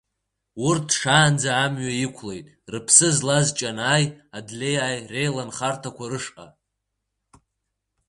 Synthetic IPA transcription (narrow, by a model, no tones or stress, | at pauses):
urtʰʂaːnd͡zaːmɥajikʷʰle̞jtʼ | rɨpʰsɨzlazt͡ʃʼanaːjadlʲe̞jajre̞jlanχartʰakʷʰarɨʂqʼa̰